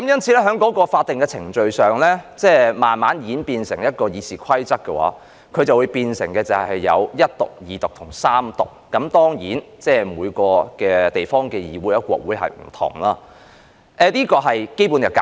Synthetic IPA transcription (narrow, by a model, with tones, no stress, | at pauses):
kɐ˨˦mjɐ˥nt͡sʰiː˨˧lɛː˥ɦœː˨˥ŋkɔː˨˥kɔː˧faː˧t̚t̪ɪ˨ŋkɛː˧t͡sʰɪ˨˩ŋt͡ʃɵ˨˧ɥsœː˨ŋlɛ˥t͡sɛː˥˩maː˨nmaː˨˥njiː˨˥npiː˧nsɪ˨˩ŋjɐ˥t̚kɔː˧jiː˨˧siː˨kʷʰɐ˥jt͡sɐ˥k̚kːɛ˧wa̰ː˨˥ | kʰɵ˨˧ɥt͡sɐ˨wu˨˧jpiː˧nsɪ̰˨˩ŋkɛː˧t͡sɐ˨hɐ˨˩hɐ˨jːɐ̰˨˧wjɐ˥t̚t̪ʊ̰˨˩k̚jiː˨˩t̪ʊ˨k̚t̪ʰʊ˨˩ŋsaː˥mt̪ʊ˨k̚ːɐ˨˥mt̪ɔː˥ŋjiː˨˥nt͡sɛː˥˩muː˨˧jkɔː˧kɛː˧t̪e˨˩jfɔː˥ŋkɛː˧jḭː˨˧wuː˨˥jɐ˥kʷɔ̰ː˧k̚wuː˨˥jɦɐ̰˨jm̩˨˩t̪ʰʊ̰˨˩ŋlaː˧ | ʔɛ˨˧liː˥kɔː˧ɦɐ˨jke˥jpu˨˥njɐ˨˧wka̰˨